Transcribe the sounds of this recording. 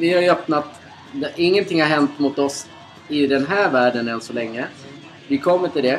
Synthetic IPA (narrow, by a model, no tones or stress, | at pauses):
vɪhajœpnat̪ | d̪ɛʔɪŋːənt̪ʰɪŋːhaɾɦɛnt̪mʊt̪ɔs | ɪd̪ɛnɦæːɾvæːɖənɛnsɔlɛŋːə | vɪkʰɔmːət̪ɪld̪ɛ